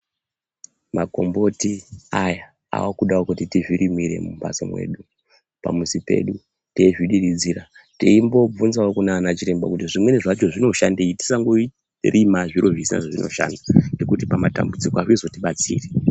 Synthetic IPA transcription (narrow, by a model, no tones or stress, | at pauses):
mako̞mbo̞tiaja | a̰wakuɗawokutitiviɾimiɾe̞̰mumba̰sa̰mwe̞̰ːɗu | pa̰musipe̞̰ɗu | teiʐiɗirid͡ziːra | tiimbo̞b͡vunzaokunanat͡ʃiɾe̞mbakutiʐimwe̞neʐat͡ʃo̞ʐino̞ʃandeiti̥saŋɡoi | rʔimaʐiɾoʐisina̰ʐoʐinʔo̞̰ʃa̰ndane̞kutipamata̰mbud͡zikoawizo̞tiɓat͡sḭːre